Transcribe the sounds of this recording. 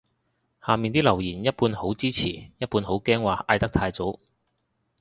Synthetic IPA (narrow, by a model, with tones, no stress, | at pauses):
haː˨miː˨nt̪iː˥lɐ˨˩wjiː˨˩njɐ˥t̚puː˧nho˨˥wt͡siː˥t͡sʰiː˨˩jɐ˥t̚puː˧nho˨˥wkɛː˥ŋwaː˨ʔaː˧jt̪ɐ˥k̚t̪ʰaː˧jt͡so˨˥w